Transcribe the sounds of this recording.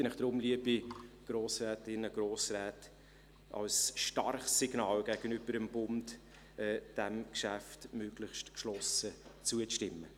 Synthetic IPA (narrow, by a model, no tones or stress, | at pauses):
ənɪχd̥ɾʊmliəbiɡ̥ɾoːsʁɛːtɪnəɡ̥ɾoːsrɛːt | ʔɑ̰lsʃtɑrχsːɪɡ̥nɑːlɡ̥æɡ̥ənʏb̥əɾəmb̥ʊnd | ɛːd̥æmkʃæftmøːɡlɪχstkʃlɔsət͡suəʃtɪmːə